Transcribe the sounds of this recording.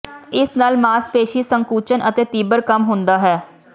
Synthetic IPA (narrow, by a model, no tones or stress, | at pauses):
ɪsnaːlmaːspeːʃiːsəŋkuːt͡ʃənʔət̪eːt̪iːbəɾkəmɦʊ̃nd̪aːɦɛː